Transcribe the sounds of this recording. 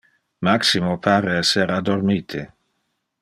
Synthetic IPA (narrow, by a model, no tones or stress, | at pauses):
maksimopʰaːɾeɛsːeɾad̪oɾmiːt̪ʰe